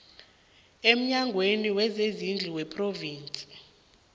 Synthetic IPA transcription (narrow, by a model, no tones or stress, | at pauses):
em̩ɲaŋɡʱweniwɛzezind͡ɮʱiwɛpʰʼroviːnt͡sʼi̥